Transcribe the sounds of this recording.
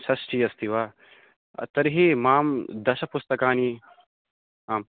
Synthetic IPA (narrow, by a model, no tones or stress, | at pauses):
sɐsʈʰijɐst̪ʰiʋaː | ɐ̰t̪ɐɾɦeːmaːmd̪ɐʃɐpust̪ɐkaːni | aːm